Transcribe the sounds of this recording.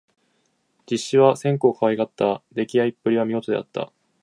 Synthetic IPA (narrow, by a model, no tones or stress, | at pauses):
d͡ʑiɕːiβasẽ̞ŋko̞ːkʰaβaiɡat̪ːad̪e̞kʲiaipːɯ̟ɾʲiβamʲiɡo̞t̪od̪e̞a̰t̪ːa̰